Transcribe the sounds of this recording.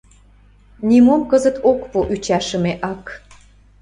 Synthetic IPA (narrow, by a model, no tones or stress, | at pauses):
nʲimomkəzət̪okpuʔyt͡ɕɑʃə̆meʔɑk